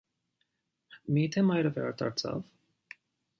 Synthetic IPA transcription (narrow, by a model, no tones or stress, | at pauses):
mit̪ʰɛmɑjɾɛvɛɑ̰ɾt̪ʰɑ̰ɾt͡sʰɑ̰v